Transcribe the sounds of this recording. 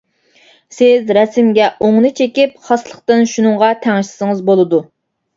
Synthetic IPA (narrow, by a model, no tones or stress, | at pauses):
sɪzɾɛsɪmɡʲɛʔoŋnɨt͡ʃʰekʲip̚χɑslˠəχqt̪ɨnʃunɨŋʁɑt̪ʰɛŋɪʃlɪ̥sɨŋɨzbolˠɨd̪u